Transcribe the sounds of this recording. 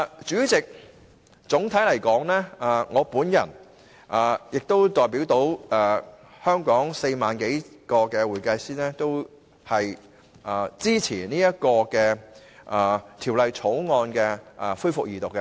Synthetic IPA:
t͡ʃyː˨˥t͡sɪ˨k̚ | t͡sʊ˨˥ŋt̪ʰɐ˨˥jlɐ˨˩jkɔː˨˥ŋlɛː˥a˨ŋɔː˨˧puː˨˥njɐ̰˨˩n | ʔaː˨˩jɪ˨k̚t̪o˥wt̪ɔː˨jp̬iː˨˥wt̪o˨˥wː | hœː˥ŋkɔː˨˥ŋse˧jmaː˨nke˨˥jkɔː˧kɛː˧wuː˨˩jkɐ˧jsiː˥nɛː˥t̪o˥w | hɐ˨j | ʔɐː˨˩t͡siː˥t͡sʰiː˨˩niː˥jɐ˥t̚kɔː˧kɛː˧ | ʔaː˨t̪ʰiː˨˩wlɐ˨jt͡sʰo˨˥wŋɔː˧nkɛː˧ʔa˨fuː˥jfʊ˨k̚jiː˨˩t̪ʊ˨kːɛ˧

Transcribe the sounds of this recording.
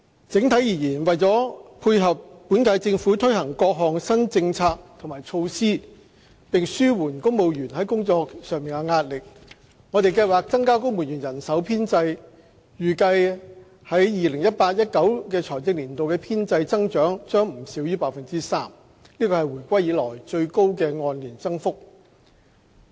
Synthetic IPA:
t͡sɪ˨˥ŋt̪ʰɐ˨˥jiː˨˩jiː˨˩nwɐ˨jt͡sɔː˨˥ | uː˧jɦɐ˨p̚pːuː˨˥nkɐ˧jt͡sɪ˧ŋfuː˨˥t̪ʰɵ˥jhɐ˨˩ŋkɔː˧k̚ɦɔː˨˩ŋsɐ˥nt͡sɪ˧ŋt͡sʰaː˧k̚t̪ʰʊ˨˩maː˨˩jt͡ʃʰo˧wsiː˥ | pɪ˨ŋsyː˥wuː˨˩nkʊ˥ŋmo˨wjyː˨˩nɦɐ˨˥jkʊ˥ŋt͡sɔː˧k̚sœː˨ŋmiː˨nkɐɛ˧ŋaː˧t̚lɪ˨k̚ | ŋɔː˨˧t̪e˨jkɐ˧jwaː˨˩k̚t͡sɐ˥ŋkaː˥kʊ˥ŋmu˨˩njy˨˩njɐ˨˩nsɐ˨˥wpʰiː˥nt͡sɐ˧j | jyː˨˩kɐ˧j | hɐ˨˥jjiː˨lɪ˨˩ŋjɐ˥t̚paː˧t̚jɐ˥t̚kɐ˨˥wkɛː˧t͡sʰɔː˨˩jt͡sɪ˧k̚liː˨˩nt̪o˨wkɛː˧pʰiː˥nt͡sɐ˧jt͡sɐ˥ŋt͡ʃœː˨˥ŋt͡ʃœː˥ŋm̩˨˩si˨˥wjyː˥paː˧k̚fɐ˨nt͡siː˥saː˥m | liː˥kɔː˧hɐ˨jwuː˨˩jkʷɐ˥jjiː˨˥lɔː˨˩jt͡ʃɵ˧ɥko˥wk̬ɛː˧ŋɔː˧nliː˨˩nt͡sɐ˥ŋfʊ˥k̚

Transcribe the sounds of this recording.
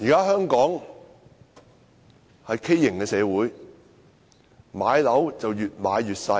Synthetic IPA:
jiː˨˩kaː˥hœː˥ŋkɔː˨˥ŋ | hɐ˨jkʰe˥jːɪ˨˩ŋkɛː˧sɛː˨˧wuː˨˥j | maː˨˧jlɐ˨˥wt͡sɐ˨wjyː˨t̚maː˨˧jːyː˨t̚sɐ˧

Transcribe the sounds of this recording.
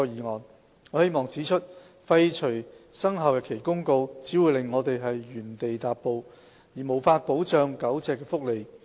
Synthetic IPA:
ɔ˧jiː˨˩ŋɔː˨n | ŋɔ˨˧he˥jmɔː˨˩ŋt͡siː˨˥t͡ʃʰɵ˥t̚ | fɐ˧jt͡ʃʰɵ˨˩jsɐ˥ŋɦɐ˨wjɛ˨˧kʰe˨˩jkʊ˥ŋko˧wt͡siː˨˥wuː˨˧jlɪ˨ŋːɔː˨˧t̪e˨jɦɐ˨jɥyː˨˩nt̪e˨jt̪aː˨pːo˧w | jiː˨˩mo˨˩wfaː˧t̚po˨˥wt͡ʃœː˧ŋkɐ˨˥wt͡sɛː˨˧kːɛː˧fʊ˥k̚le˨j

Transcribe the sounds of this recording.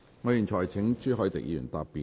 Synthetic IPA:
ŋɔː˨˧jiː˨˩nt͡ʃʰɔː˨˩jt͡sʰɪ˨˥ŋt͡ʃyː˥ɦɔ˨˥jt̪ɪ̰˨k̚jḭː˧jy̰ː˨˩nt̪aː˧pːiː˨

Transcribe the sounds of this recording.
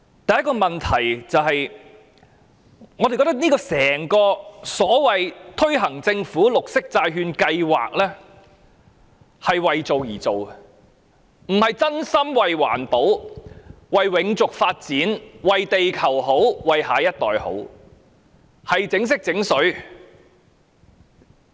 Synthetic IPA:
t̪ɐ˨jɐ˥t̚kːɔː˧mɐ˨nt̪ʰɐ˨˩jt͡sɐ˨wɦɐ˨j | ŋɔː˨˧d̪e˨jkːɔ˧˥t̪ɐ˥k̚niː˥kɔː˧sɛː˨˩ŋkɔː˧sɔː˨˥wɐ˨jt̪ʰɵ˥ɥɦɐ˨˩ŋt͡sɪ˧ŋfuː˨˥lʊ˨k̚sɪ˥k̚t͡saː˧jɦyː˧nkɐ˧jwa̰ː˨k̚lɛː˥ | hɐ˨jwɐ˨jt͡so˨wjiː˨˩t͡so˨w | m̩˨˩hɐ˨jt͡sɐ˥nsɐ˥mwɐ˨jwa̰ː˨˩npo˨˥w | wɐ˨jwɪ˨˥ŋt͡sʊ˨k̚faː˧t̚t͡siː˨˥nwɐ˨jt̪e˨jkʰɐ˨˩wɦo˨˥wwɐ˨jɦaː˨˥jɐ˥t̚t̪ɔ̰ː˨jho̰˨˥w | hɐ˨jt͡sɪ˨˥ŋs̬ɪ˥k̚t͡sɪ˨˥ŋsɵ˨˥ɥ

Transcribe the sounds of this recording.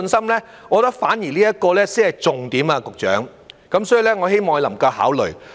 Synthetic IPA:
nsɐ˥mlɛː˥ | ŋɔː˨˧t̪ɐ˥k̚faː˨˥njiː˨˩liː˥jɐ˥t̚kɔː˧lɛː˥siː˨˥hɐ˨jt͡sʊ˨ŋt̪iː˨˥maː˧kʊ˨k̚t͡ʃœ̰ː˨˥ŋ | kɐ˨˦msɔː˨˥ji˨˧lɛ˥ŋɔː˨˧he˥jmɔː˨ŋhɐ˧lɐ˨˩mkɐ˧ha̰ː˨˥wlɵ˨ɥ

